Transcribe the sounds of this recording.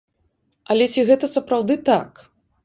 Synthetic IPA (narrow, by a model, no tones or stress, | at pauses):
ɐlʲɛt͡sʲiɣɛt̪ɐsɐpɾawd̪ɨt̪a̰k